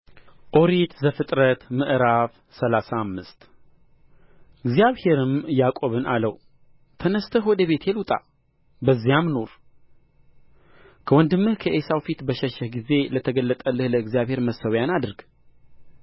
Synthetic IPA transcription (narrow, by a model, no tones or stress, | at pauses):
ʔo̞ɾit̪zəfɨt̪ʼɾət̪mɨʔɾaf | səlasaːmːɨst̪ | ɨɡzijaβhe̞ɾɨmjakʼo̞βɨnaləw | t̪ʰənəst̪ʰəhwɔd̪əβe̞t̪ʰjɛlut̪ʼa̰ | bəzːijamno̞ɾ | kʰəwɔnd̪ɨmːɨhkʰəʔesawfit̪bəʃɛʃɛhɡize̞lət̪ʰəɡəlːət̪ʼəlːɨhləɨɡzijaβhe̞ɾməsːəwjanad̪ɨɾɡ